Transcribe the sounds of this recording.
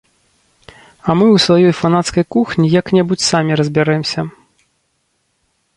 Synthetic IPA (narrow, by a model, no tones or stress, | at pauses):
ɐmɨwsvajɔjfanat̪skɐjkuxnʲijɐknʲɛbut͡sʲsamʲiɾɐzʲbʲaɾɛmsʲɐ